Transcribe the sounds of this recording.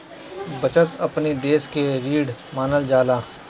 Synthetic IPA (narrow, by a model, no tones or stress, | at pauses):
bɐt͡ʃət̪ɐpnid̪eːskeɾiːɖmaːnəld͡ʒaːlaː